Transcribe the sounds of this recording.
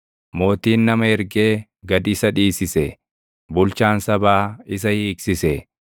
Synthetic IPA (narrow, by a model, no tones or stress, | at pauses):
mo̞ːt̪iːnːɐmɐɛɾɡeː | ɡɐd̪ɪsɐᶑiːsɪsɛ | bʊlt͡ʃaːnsɐbaːɪs̬ɐhiːksɪsɛ